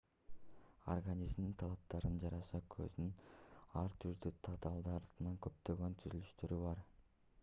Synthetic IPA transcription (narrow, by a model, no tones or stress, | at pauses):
orɡanʲizmint̪ʰɑlˠɑp̚t̪ɑɾɯnd͡ʒɑɾɑsɑkʰø̰znynɑɾt̪ʰyɾd̪yt̪ʰɑt̪ʰɑlˠd̪ɯɑɾt̪ɯnɑŋkø̞p̚t̪ø̞ɡø̞nt̪ʰyzylyʃt̪øɾyβɑɾ